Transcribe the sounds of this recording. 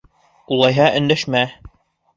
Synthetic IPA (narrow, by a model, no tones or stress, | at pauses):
ulˠɑjɦɑʔɵ̆nd̪æʃmæ